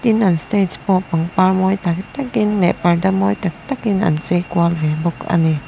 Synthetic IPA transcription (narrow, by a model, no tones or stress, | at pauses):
t̪inʔɐnst̪etspɔʔpɐŋpaɹmɔjt̪ɐkt̪ɐkinlɛʔpɐɹdɐmɔːjt̪ɐk̚t̪ɐkinʔɐ̰nt͡sekualvɛbɔkɐ̰ni